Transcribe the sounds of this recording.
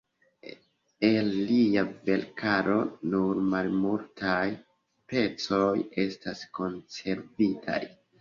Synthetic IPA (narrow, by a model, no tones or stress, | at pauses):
elːiave̞lkʰaɾo̞nuɾmalmultʰaj | spe̞t͡so̞je̞stasko̞nse̞ɾvitʰa̰j